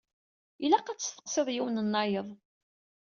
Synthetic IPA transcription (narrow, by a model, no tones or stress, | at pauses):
ilæqæt͡sːə̥st̪ə̥qseðˤjiwnənːɑjəðˤ